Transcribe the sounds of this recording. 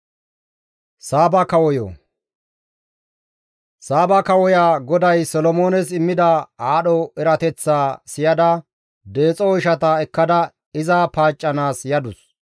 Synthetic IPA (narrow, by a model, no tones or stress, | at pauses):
saːbɐkɐwɔjo̰ː | saːbɐkɐwɔjaːɡɔd̪ɐjsɔlɔmoːnɛsɪmːɪd̪ɐaːɗɔɛɾɐt̪ɛt͡sːaːsɪjɐd̪ɐ | d̪e̞ːt͡sʼɔɔɪʃɐt̪ɐɛkːɐd̪ɐ | ɪzapaːt͡ʃʼːɐnaːsjɐd̪ʊs